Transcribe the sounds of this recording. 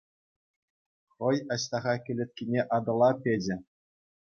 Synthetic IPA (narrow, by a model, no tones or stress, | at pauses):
χɤ̆jɑɕt̪ɑʁɑkʲɘ̆lʲĕt̪̚ʲkʲinʲeʔɑd̪ɤ̆lˠɑpʲed͡ʑɘ̆